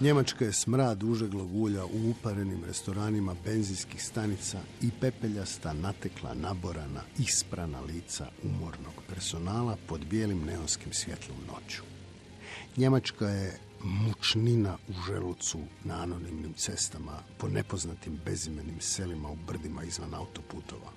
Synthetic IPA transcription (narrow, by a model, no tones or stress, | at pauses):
ɲe̞mat͡ʃkaje̞smɾaːd̪uʒeɡlˠaɡuːʎaʔuupaɾe̞nimɾe̞̰st̪o̞ɾaːnimabe̞nziskixst̪anit̪saipe̞pe̞ʎast̪anat̪eklˠa̰naboɾana̰ispɾana̰liːt̪sa̰umo̞ɾno̞ɡ̥pe̞ɾso̞naːlapo̞d̪bje̞ːlimne̞onskimsʋje̞t̪ʰlˠomno̞̰t͡ɕu̥ | ɲe̞mat͡ʃkaje̞ | mut͡ʃninauʒḛlut̪sunaano̞nimnimt̪se̞st̪amapo̞ne̞poznat̪imbe̞zimenimse̞limaubr̩d̪imaizʋanaut̪o̞put̪o̞̰ʋa̰